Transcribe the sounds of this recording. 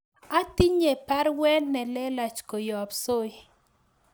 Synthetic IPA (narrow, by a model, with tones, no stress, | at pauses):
a˦t̪i˦ɲe˨pa˦ɾwɛ˦nːɛ˨lɛ˦la˨t͡ʃko˨jɔ˨pso˦j